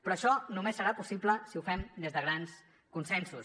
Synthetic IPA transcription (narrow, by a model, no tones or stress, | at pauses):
pɾɔəʃɔnumesːəɾapusipləsiufɛmd̪ezðəɣɾans | kunsɛnsus